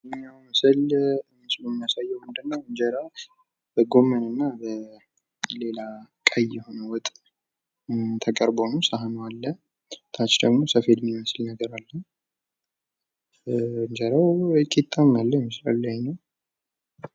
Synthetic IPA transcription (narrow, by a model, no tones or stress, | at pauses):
mijaməsəlɨnːsləmːijasajːɛwmɨnd̪ɨnːawɨɲd͡ʒəɾaw | bəɡo̞mənɨnːabə | le̞lakʼajɛho̞nəwɔt̪ʼ | t̪ʰəkʼəɾbonusaɦanwalːə | t̪ʰat͡ʃd̪əɡmo̞səfed̪miməslnəɡəɾalːən | ɨɲd͡ʒəɾawkʼit̪ʼːamalːəməsla̰lːəjnːəw